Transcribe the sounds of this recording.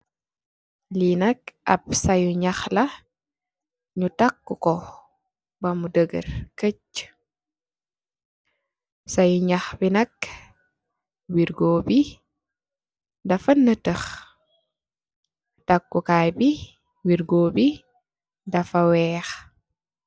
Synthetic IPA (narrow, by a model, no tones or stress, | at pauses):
linɐkɐ̰p̚sɐjuɲɐxlɐ | ɲutakːukɔ | bɐmudəɡə̰rkəc | sɐjuɲɐxbinɐk | wiɾɡoːbi | dɐfɐnːətəx | takːukajbi | wiɾɡoːbi | dɐfɐwɛːx